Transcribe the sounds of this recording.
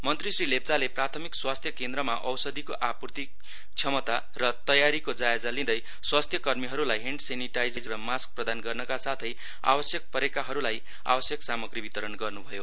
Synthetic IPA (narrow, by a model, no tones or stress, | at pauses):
mʌnt̪risrilep̚d͡zaleprat̪ʰʌmikswast̪ʰjʌkend̪ɾʌmaʔʌwsʌd̪ikoʔapurt̪i | t͡sʰʌmʌt̪a | rʌt̪ʌjaɾikod͡zaed͡zalĩd̪ʌj | swast̪ʰjʌkʌrmiɦʌɾulajɦeɳɖseniʈajd͡zʌjd͡zʌrʌmask̚prʌd̪anɡʌrnʌkasat̪ʰʌj | a̰bʌsjʌk̚pʌɾekaɦʌɾulaj | a̰bʌsjʌksamʌɡribit̪ʌɾʌnɡʌrnubʱʌjo